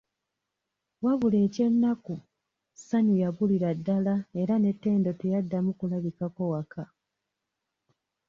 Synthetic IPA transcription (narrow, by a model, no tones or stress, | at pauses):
waβule̞ːce̞nːaku | saɲijaβuliɾadːalae̞ɾane̞tːe̞ːndo̞te̞jadːamukulaβikako̞wakʰa